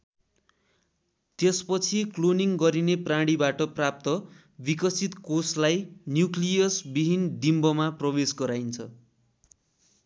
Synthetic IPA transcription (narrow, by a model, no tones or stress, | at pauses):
t̪espʌt͡sʰikloniŋɡʌɾineprãɽibaʈʌprap̚t̪ʌ | bikʌsit̪koslajnjuklijʌsbiɦind̪imbʌmaprʌbesɡʌɾajnt͡sʰʌ